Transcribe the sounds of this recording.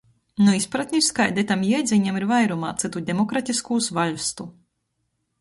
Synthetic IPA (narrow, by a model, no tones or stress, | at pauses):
nuispɾat̪ʲnʲiɾʲskajd̪ɛt̪amjɛjd̪zʲiɲʲamiɾvajɾumaːt̪sɨt̪ud̪ʲɛmɔkɾat̪ʲiskuːsvaʎʲst̪u